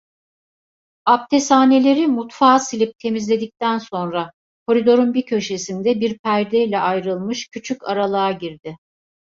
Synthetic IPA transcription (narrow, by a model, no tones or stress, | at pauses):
ap̚t̪ʰesaːne̞lʲe̞ɾimut̪faːsilʲip̚t̪ʰe̞mizlʲe̞d̪ic̚t̪ʰænso̞nɾa | kʰo̞ɾid̪o̞ɾunbicʰø̞ʃe̞sind̪ɛbiɾpʰæɾd̪ɛilʲɛʔajɾɯlˠmɯʃcʰyt͡ʃʰycaɾalˠaːɟiɾd̪ɪ